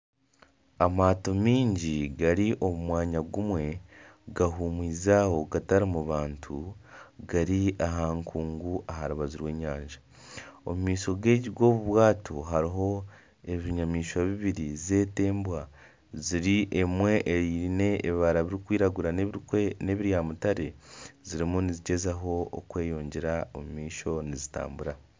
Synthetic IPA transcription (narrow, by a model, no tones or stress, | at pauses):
amaːtomiːɲɟiɡaɾiʔo̞mumwaːɲaɡumwe̞ɡaɦumwiːzaho̞ɡataɾimuβaːntʰuɡaɾiaɦaːŋkʰuːŋɡuʔaɦaɾuβaziɾwe̞ːɲaːɲʒa | omumiːso̞ɡe̞ːɟiɡo̞ːβuβwaːtʰoɦaɾiɦo̞ | e̞βiɲamiːʃwaβiβiɾize̞ːte̞ːmbwa | ziɾiʔemwe̞ʔeine̞eːβiβaɾaβiɾikwiːɾaɡuɾane̞βiɾjamutaɾe̞ziɾimuniziɟe̞zaɦo̞̰ːkwe̞ːjo̞ːɲɟe̞ɾaomumiːʃo̞nizita̰ːmbuɾa